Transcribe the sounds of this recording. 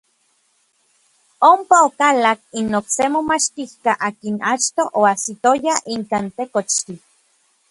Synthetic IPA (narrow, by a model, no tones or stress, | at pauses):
ompaokalak̚inoksemomat͡ʃt̪ihkaʔakinat͡ʃt̪oʔoasit̪ojaiŋkaːnt̪ekot͡ʃt̪i